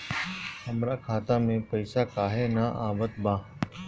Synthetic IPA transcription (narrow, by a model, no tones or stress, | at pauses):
həmɾaːkʰaːt̪ãːmẽːpəɪsaːkaːɦeːnaːʔaːʋət̪bãː